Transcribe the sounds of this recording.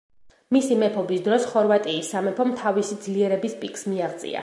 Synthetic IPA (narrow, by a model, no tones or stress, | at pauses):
misimɛpʰɔbisd̪ɾɔsχɔɾvat̪ʼiːsːamɛpʰɔmt̪ʰavisid̪zliɛɾɛbispʼikʼsmiaʁt̪sʼḭa̰